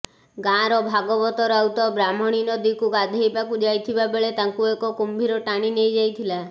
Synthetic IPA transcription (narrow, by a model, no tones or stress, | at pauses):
ɡãɾɔbʱaɡɔbɔt̪ɔɾawt̪ɔbɾam̤ɔɽ̃inɔd̪ikuɡad̪ʱejbakud͡ʒajt̪ʰibabeɭet̪aŋkuekɔkumbʱiɾɔʈaɽ̃inejd͡ʒajt̪ʰila